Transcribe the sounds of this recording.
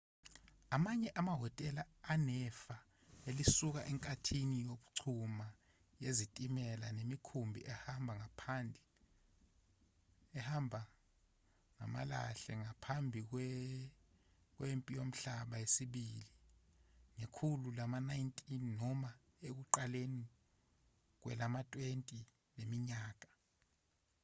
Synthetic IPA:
amaɲɛʔamaɦɔtʼɛlaːnɛfa | elisuk̬aʔɛŋkʼatʰinijoɓuǀʰuma | jezitʼimɛlanemikʰumbʱḭʔɛhambʱaŋapʰanbʱi | ɛhambʱa | ŋa̰ma̰la̰ɬɛ̰ŋapʰambʱik̬ | k̬wempʼijom̩ɬaɓajesiɓiːli | ŋekʰululamanajintʼinːɔma | ek̬uǃaleni | k̬wɛ̰lamatʼwentʼi | lemiɲaːk̬ʼa

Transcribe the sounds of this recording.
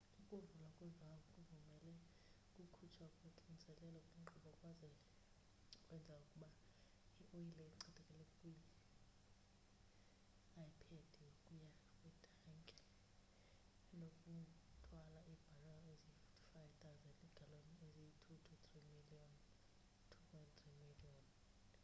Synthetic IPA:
ukʼuvulwakʼwɛɱvʱaukʼuvumɛlɛ | kʼukʰut͡ʃʰaukʼeǃʼinisɛlɛlɔkʼuŋ͡ǃʱɔɓɔkʼwazɛɛ | kʼwɛnd͡zʱaukʼuɓa | iʔojilɛiǀɛtʰʼɛkʼɛlɛkʼwijɛ | ajipʰed̥ʱijokʼujakʼwɛd̥ʰʱaŋkʼɛ̥ | nokʼutʰʼwalaʔib̥ʱalaɔezififtʰi̥fajv̥t̪ʰʼawzɛndʼiɡ̥ʱalonieziitʰutʰut̪ʰʼrimiliɔn | tʰuwɛnt̪ʰʼrimiliɔn

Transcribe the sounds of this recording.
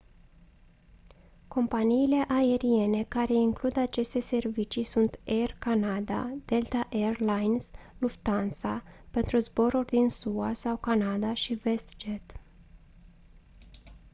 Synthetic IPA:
ko̞mpaniːle̞ʔaeɾie̞ne̞kaɾe̞iŋklud̪at͡ʃe̞st̪e̞se̞rvit͡ʃisunt̪e̞rkanad̪a̰d̪̥e̞lt̪aʔerlajnsluft̪ansape̞nt̪ɾuzbo̞ɾurʲd̪insuasawkanad̪aʃive̞st̪d͡ʒe̞t̪

